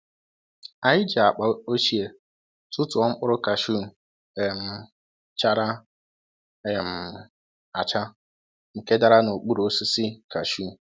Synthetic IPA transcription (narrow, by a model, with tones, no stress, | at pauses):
a˨ɪ˦d͡ʒi˨a˨k͡pa˨˦o˦ʃi˦e˨ | tʊ˦tʊ˨ɔ˦ŋ͡m̩˦k͡pʊ˦ɾʊ˦ka˨ʃu˦˨ | e˨m̩˦˨ | t͡ʃa˦ɾa˦ | e˨m̩˨ | a˨t͡ʃa˦ | ŋ̩˨ke˦da˦ɾa˦no˨k͡pu˦ɾo˦si˦si˦ka˨ʃu˦˨